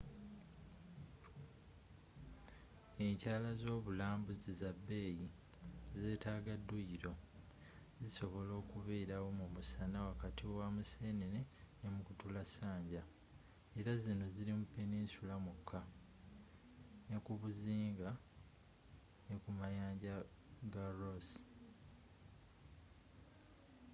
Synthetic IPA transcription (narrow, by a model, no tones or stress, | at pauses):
e̞ɲcaːlazo̞ːβulaːmbuzizabːe̞ːji | ze̞ːtaːɡadːujiɾo̞ | ziso̞βo̞lo̞ːkuβeːɾawo̞mumusanawakatiwamuseːneɾenemukutulasaːɲɟa | e̞ɾazino̞zilimupːeniːsulamukʰːa | ne̞kuβuziːŋɡa | ne̞kumajaːɲɟa | ɡaɾos